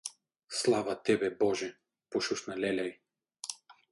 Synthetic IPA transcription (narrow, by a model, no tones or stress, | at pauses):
slˠavat̪ɛbɛbɔʒɛ | pɔʃuʃnalɛlʲaj